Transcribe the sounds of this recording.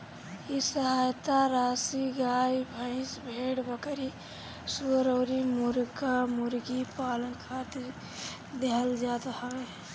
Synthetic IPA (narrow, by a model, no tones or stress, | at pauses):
jisəɦaːjt̪aɾaːsiɡaːibʱə̃ɪ̃sbʱeːɽbəkəɾi | suɾəːɾimuɾkamuɾɡipaːlənkʰaːt̪iɾ | d̪eɦəld͡ʒaːt̪ɦɔe